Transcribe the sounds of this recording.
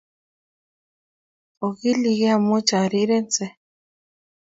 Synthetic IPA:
o˨ɣi˦li˨ɣɛ˦a˨mo˦t͡ʃa˨ɾi˦ɾe˦nt͡sɛ˨

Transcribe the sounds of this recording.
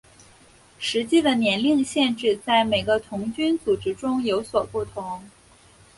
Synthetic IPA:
ʂɻ̩˧˥t͡ɕi˥˩d̪ə˩njɛ˧˥nli˥˧ŋɕjɛ˥˧nʈ͡ʂɻ̩˥˧t͡sa˥˩ɪme˨˩ɪɡə˧˦t̪ʰʊ˧˥ŋt͡ɕy˥nt͡su˨˩ʈ͡ʂɻ̩˥ʈ͡ʂʊ˥ŋjo˧˥ʊswɔ˨˩pu˥˩t̪ʰʊ˧˥ŋ

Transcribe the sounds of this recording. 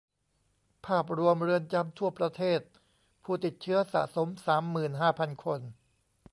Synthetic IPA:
pʰaː˥˩p̚ɾu˧əmɾɯ˧ənt͡ɕa˧˥mt̪ʰu˥˩ɐpɾa˧t̪ʰeː˥˩t̪̚ | pʰuː˥˩t̪i˨˩t̪̚t͡ɕʰɯ˦˥ɐsa̰˨˩ʔso˩˦msaː˩˦mːɯː˨˩nɦaː˥˩pʰa˧nkʰo˧n

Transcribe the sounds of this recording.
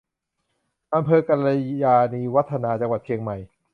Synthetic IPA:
ʔa˧mpʰɤː˧ka˧la˧jaː˧niː˧wa˦˥t̪ʰːa˧naː˧t͡ɕa˧ŋwa˨˩t̪̚t͡ɕʰi˧əŋma˨˩j

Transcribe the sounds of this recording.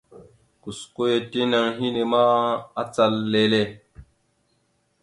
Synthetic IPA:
ku˨sko˦je˨te˦na˧ŋɦi˦ne˨ma˦a˦t͡sa˦lːe˦le˦

